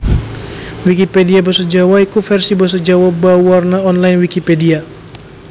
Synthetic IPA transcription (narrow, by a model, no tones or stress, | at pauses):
wikipediabərsəd͡ʒawaikufɛrsibəs̬əd͡ʒawabawarnaɔnlajnwikipedia